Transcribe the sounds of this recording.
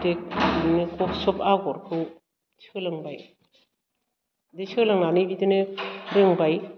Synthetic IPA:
tek̚inekʰɔsɔpaɡɔɾkʰɯ | t͡ʃʰɯlɯŋbaj | det͡ʃʰɯlɯŋnanɯbidɯnɯɾɯŋbaj

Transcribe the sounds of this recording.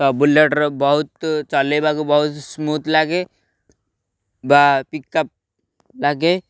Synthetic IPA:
t̪ɔbuleʈɾbɔɦut̪t͡ʃɔlebaɡubɔɦut̪smuːt̪ʰlaɡe | bapikːəp̚ | laɡe

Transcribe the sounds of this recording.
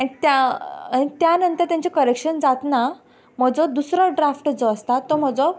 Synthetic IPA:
añit̪jaaɽ̃it̪janənt̪əɾt̪jaɲt͡ɕekəɾekʂənd͡zat̪na | m̤əd͡zɔd̪usɾɔɖɾafʈd͡zɔːst̪at̪ːɔm̤əd͡zɔ

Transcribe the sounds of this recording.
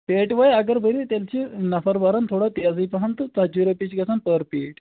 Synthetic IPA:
peʈʋəjaɡəɾbʱəɾit̪alt͡ɕinɐfəɾbaɾant̪ʰoɽat̪iad͡ziːpaɦant̪ət͡sad͡ʑuɾepit͡ɕɡesanpəɾpeːʈ

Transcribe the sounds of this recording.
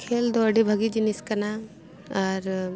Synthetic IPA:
kʰeːld̪oɖibʱɐɡid͡ʒiniskɐna | ɔɾ

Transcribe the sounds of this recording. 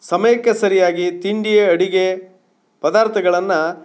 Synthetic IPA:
sɐmɐjɐkːesɐɾijaːɡit̪iɳɖijeɐɽiɡe | pɐd̪aːɾt̪ʰɐɡɐɭɐnːɐ

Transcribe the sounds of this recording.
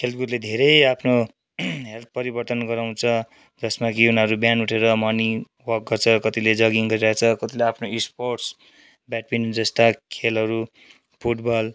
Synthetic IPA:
kʰelt̪̚ɡuɾled̪ʱeɾʌjapʰno | ɦelt̪̚ʰpʌɾibʌrt̪ʌnɡʌɾaw̃t͡sʰʌ | d͡zʌsmakiunʌɾubjanuʈʰeɾʌmʌni | wʌk̚ɡʌrt͡sʰʌkʌt̪iled͡zʌɡiŋɡʌɾiɾʌet͡sʰʌkʌt̪ileapʰnoisporʈs | bjaʈ̚bind͡zʌst̪akʰelɦʌɾu | pʰuʈbal

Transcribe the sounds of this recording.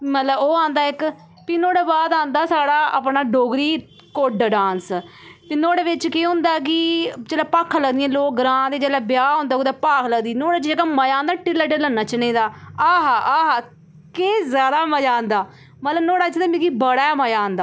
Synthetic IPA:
mət̪ləboːãːnd̪aːɪk | pinoːɽaːbaːd̪ãːnd̪aːsaːɽaːa̰pɳaːɖoːɡɾiː | koɖɖãːns | t̪eːnoːɽaːʋɪt͡ʃkeːɦʊ̃nd̪aːk̬ɪd͡ʒɛːlaːpaːkʰːləɡd̪iɛ̃ːloːk̚ɡɾãːd̪eːd͡ʒɛːlaːbjaːɦõːnd̪aːkd̪aːpaːkʰləɡd̪iːnoːɽaːt͡ʃeːkaməjãːnd̪aːʈɪlːəɖəːlənːaːt͡ʃəneːd̪aːaːɦaːʔaːɦaː | keːzjaːd̪aːməd͡ʒaːnd̪aː | mət̪ləbnoːɽaːt͡ʃːt̪aːmĩɡibəɽaːməjãːnd̪aː

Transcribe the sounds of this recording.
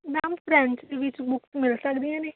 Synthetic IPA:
naːmpʰɾɛ̃ːɳt͡ʃd̪eʋɪt͡ʃbʊksmɪlsəkd̪iãːneː

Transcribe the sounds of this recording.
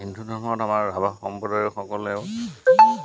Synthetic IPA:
indʱudɔmɔɔtamaɹbabaxɔmpɔdaɹɛxɔkɔlɛʊ

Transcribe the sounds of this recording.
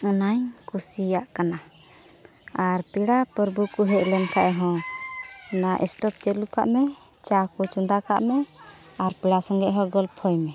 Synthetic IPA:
ɔnaɲkusijaʔkana | aɾpiɽapəɾbukuɦɛʔlɛmkaʔɛɦɔ̃ | naʔɛ̰sʈɔp̚t͡ʃɛluka̰ʔmɛ | t͡ʃakɔt͡ʃɔnd̪aka̰ʔmɛ | aɾpiɽasɔŋɡɛʔɦɔ̃ɡɔlpʰɔjmɛ

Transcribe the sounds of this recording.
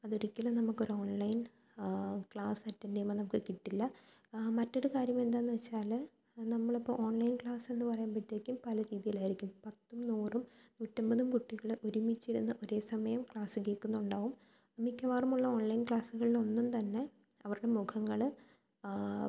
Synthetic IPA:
ɐðoɾikʲːɐlɐnɐmukːo̞ɾuo̞ːɳlɐjn | kɭaːsɐtːɐndejmːɐnɐmukːɨkiʈːilːɐ | mɐtːo̞ɽukaːɾjɐme̞nd̪aːnːɨʋet͡ɕːaːl | nɐmːɐɭipːo̰o̞ːɳlɐjnkɭaːse̞nːɨpɐrɐjaːnpɐʈːekʲːumpɐlɐɾiːðijilaːjiɾikʲːumpɐt̪ːumnuːrumnuːtːɐmbɐðumkuʈːiɣɐɭʔoɾumit͡ɕːiɾunːɐʔo̞ɾe̞ːsɐmɐjɐmkɭaːsɨkeːkːunːuɳɖaːʋum | mikʲːɐʋaːrumuɭːɐo̞ːɳlɐjnkɭaːsuɣɐɭilo̞nːumt̪ɐnːe̞ | ɐʋɐɾuɽe̞mukʰɐŋːɐɭ

